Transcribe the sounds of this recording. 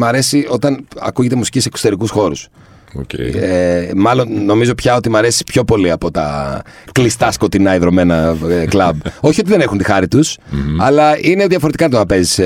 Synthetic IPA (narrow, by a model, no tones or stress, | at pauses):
mɐɾe̞sio̞t̪ɐnɐ̰kuʝe̞t̪emusi̥cisekso̥t̪e̞ɾikusxo̞ɾus | o̰emɐlo̞nːo̞mizo̞pçɐot̪imɐɾe̞si̥pço̞po̞liɐpo̞t̪ɐ̰klist̪ɐsko̞t̪inɐiðɾo̞me̞nɐklɐbo̞çio̞t̪iðe̞ne̞xunt̪ixɐɾit̪usɐlɐine̞ðjʝɐfoɾet̪ikɐnɐt̪onɐpe̞zis